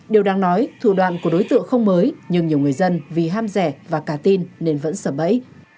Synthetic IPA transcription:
ɗi˨˩əwɗaː˨˧ŋnɔ˨˦jt̪ʰṵ˧˨ɗwa̰ː˧˨nku˧˩əɗo˨˦jt̪ɨ̰˧˨əŋxə˧wŋ͡mməː˨˦jɲɨ˧ŋɲi˨˩əwŋɨ˨˩əjzə˧nvi˨˩ɦaː˧mzɛ˧˩vaː˨˩kaː˧˩t̪i˧nːe˧nvə̰˧˥nsəː˧˩ɓə̰˧˥j

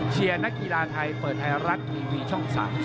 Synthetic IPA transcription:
t͡ɕʰi˧ɐna˦˥kːi˧laː˧t̪ʰa˧jpəɤː˨˩t̪̚ha˧jɾa˦˥t̪̚ʔiː˧wiː˧t͡ɕʰɔ˥˩ŋsa̰ː˩˦m

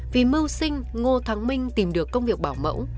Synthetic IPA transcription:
vi˨˩mɨ˧wsï˧ŋ̟ŋo˧t̪ʰaː˨˦ŋmï˧ŋ̟t̪i˨˩mɗɨ˨˩əkːə˧wŋ͡mvi˨˩ək̚ɓaː˧˩wmə̰˧˥w

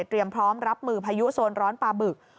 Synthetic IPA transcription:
t̪ːɾi˧əmpʰɾɔː˦˥mɾa˦˥p̚mɯː˧pʰaː˧ju˦˥soː˧nɾɔː˦˥npaː˧bɯ˨˩k̚

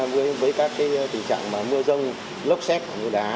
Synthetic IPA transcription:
vɨ˨˦jvəː˨˦jkaː˦˥kːaː˨˦jt̪ï˨˩ŋ̟t͡ɕa̰ː˧˨ŋmaː˨˩mɨ˧əzə˧wŋ͡m | lə˦˥wk͡p̚sɛ˦˥t̚ʔa˧˨˩ɲu˧ɗaː˨˦

